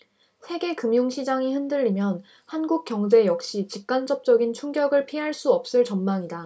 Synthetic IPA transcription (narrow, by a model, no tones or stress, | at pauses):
sʰe̞ɡe̞kɯmjuŋɕʰid͡ʑaŋihɯndɯʎːimjʌn | hanɡuk̚k͈jʌŋd͡ʑe̞jʌk̚ɕ͈it͡ɕip̚k͈ant͡ɕ͈ʌp̚t͡ɕ͈ʌɡint͡ɕʰuŋɡjʌɡɯɭpʰiɦaɭs͈uʌp̚s͈ɯɭt͡ɕʌnmaŋida